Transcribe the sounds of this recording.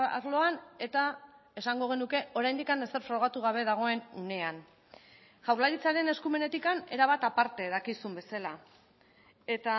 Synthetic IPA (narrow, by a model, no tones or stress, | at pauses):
a̰ɾlo̞ane̞t̪a | e̞saŋɡo̞ɣ̞e̞nuke̞o̞ɾajnd̪ikane̞se̞ɾfɾoɣ̞at̪uɣ̞aβ̞e̞ðaɣ̞o̞e̞nune̞an | ʝawɾlaɾit͡saɾe̞ne̞skume̞ne̞t̪ikane̞ɾaβ̞at̪apaɾt̪e̞ðakisumbe̞sala | e̞t̪a